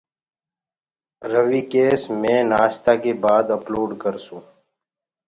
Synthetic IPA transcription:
ɾəʋiːkeːsmẽːnaːʃt̪aːkeːbaːd̪əploːɖkəɾsũː

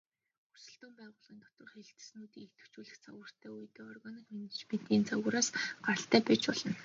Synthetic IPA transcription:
xursɘ̆ɬt̪uːmpæːʁʊːɮʁiːnt̪ɔt̪ə̆rχeɮɘ̆t̪ɘ̥̆snuːt̪iːŋet̪ɘ̥̆w̥t͡ɕuːɮɘ̆xt͡sʰa̰wə̆r̥t̪ʰæːuj̆t̪eːɔrɣɔnĭkmenet͡ɕmen̥t̪iːnt͡sʰaɣ̆ɾaːsɢ̥aɾə̆ɬt̪æːpæt͡ɕpɔɮə̆n

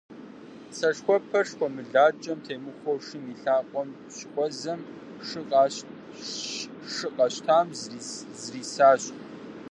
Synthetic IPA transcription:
sɐʂxʷɔpʰɐrʂxʷɔmɨɮaːd͡ʒʼɐmtʰeːmɨxʷɔwʂɨmiɬaːqʷʼɔm | ɕkʷʼɔzɐm | ʂɨqʼː | ʂɨqʼɐɕtʰaːmzriːsaːɕʼ

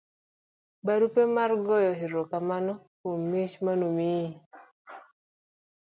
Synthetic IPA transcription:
baɾupemarɡɔjɔɦiɾokamanɔkomːit͡ʃmanomi

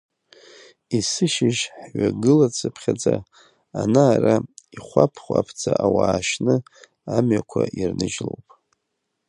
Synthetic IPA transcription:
isɨʃɪʒħɥʷaɡɨlat͡sʰʼɨpʰχʲad͡zʼa | anaːraiχʷapʰχʷapʰt͡sʰʼaʔawaːʃnɨ | amɥakʷʰaʔirnɨʒlowpʼ

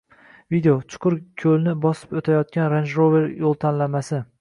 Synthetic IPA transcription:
vid̪eot͡ʃʰʊ̥qʰʊɾkʲʰɵlnɪbɒsɪ̥pot̪ʰajɒt̪̚kʲanɾand͡ʒɾove̞ɾjolˠt̪ʰanlamasɪ

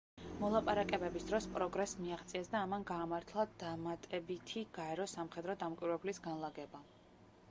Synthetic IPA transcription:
mɔlˠapʼaɾakʼɛbɛbisd̪ɾɔspʼɾɔɡɾɛsmiaχt̪sʼiɛsd̪aːmanɡaːmaɾt̪ʰlˠad̪̥amat̪ʼɛbit̪ʰiɡ̥aɛɾɔsamχɛd̪ɾɔd̪amkʷʼwiɾɛblisɡanlˠaɡɛba

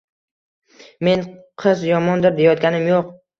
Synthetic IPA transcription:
me̞nqʰɨzjɒmɒnd̪ɪɾd̪ejɒt̪̚ɡʲanɪmjoq̚

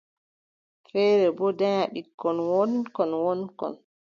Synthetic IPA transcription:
fɛːɾɛbɔdaɲaɓikːɔnwɔnkɔnwɔnkɔ̰n

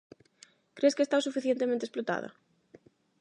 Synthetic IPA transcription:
kɾeskeːst̪awsufiθjent̪emẽnt̪esplot̪a̰ðɐ̰

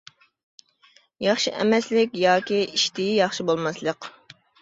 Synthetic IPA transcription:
jɑχʃiʔɛ̰mɛslɪkʲjɑːkʲiiʃt̪ɪjijɑχʃibolˠmɑslˠəq

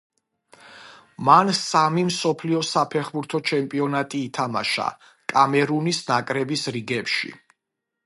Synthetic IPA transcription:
mansamimsɔpʰliɔsapʰɛχbuɾt̪ʰɔt͡ʃʰɛmpʼiɔnat̪ʼiːt̪ʰama̰ʃa̰ | kʼamɛɾunisnakʼɾɛbisɾiɡɛpʃḭ

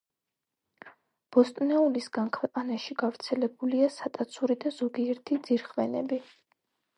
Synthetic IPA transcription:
b̥ɔst̪ʼnɛulisɡankʰvɛqʼanaʃiɡavɾt̪sʰɛlɛbuliasat̪ʼat̪sʰuɾid̪azɔɡiɛɾt̪ʰid̪ziɾχvɛnɛbi

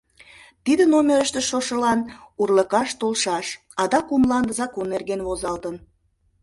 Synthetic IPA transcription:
t̪id̪ənomʲeɾəʃt̪eʃoʃəlɑnurləkɑʃt̪olʃɑʃ | ɑd̪ɑkumlɑnd̪əzɑkonːerɣenβozɑlt̪ən

